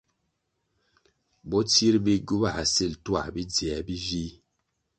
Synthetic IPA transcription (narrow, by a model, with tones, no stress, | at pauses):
bɔ˦ti˦ɾbi˦ɡu˦ba˦˨a˨si˦˨ltwa̰˦˨bi˦d͡zi˨a˨bi˦vi˦